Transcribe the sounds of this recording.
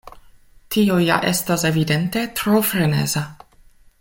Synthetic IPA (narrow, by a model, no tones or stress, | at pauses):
tioja̰ʔe̞stase̞vide̞nte̞tɾofɾe̞nḛza